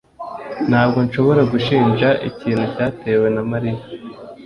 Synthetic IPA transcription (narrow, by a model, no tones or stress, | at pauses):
n̥haːb̚ɡo̞nʃo̞βo̞ɾaɡuʃiːnʒaʔḭciːnhucaːte̞ːwe̞namaɾija